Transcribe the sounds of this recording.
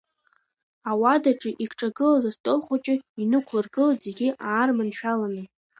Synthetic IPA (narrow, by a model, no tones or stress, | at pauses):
awadaʈ͡ʂʼɨʔikʷʰʈ͡ʂʼaɡɨlazastʼolχʷat͡ʃʼɪinɨkʷʰlɨrɡɨlaze̞ɡʲiʔaːrmanʃᶣalanɨ